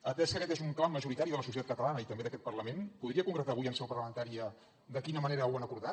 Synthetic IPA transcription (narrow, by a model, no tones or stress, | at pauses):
ət̪ɛskəkɛt̪ezuŋklawməʒuɾit̪aɾiðələsusiət̪at̪kət̪əlanəit̪əmbeðəkɛt̪̚pərləmenpuðɾiəkuŋɡɾət̪aːβujənsɛwpəɾrləmənt̪aɾiə | d̪əkinəməneɾəwanəkuɾða